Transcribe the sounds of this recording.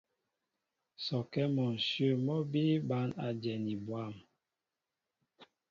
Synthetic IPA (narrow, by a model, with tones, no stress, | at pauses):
sɔ˨kɛ˦mɔ˨n̩˨sə˦˨mɔ˦bi˦ba˦na˨d͡ʒɛ˨ni˨bwa˦˨m